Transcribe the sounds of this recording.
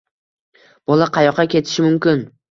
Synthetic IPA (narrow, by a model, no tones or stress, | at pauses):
b̥ɒlˠaqʰɑjɒqʰːɑkʲʰe̞t̪ʰɪ̥ʃɪmʊmkʲɪn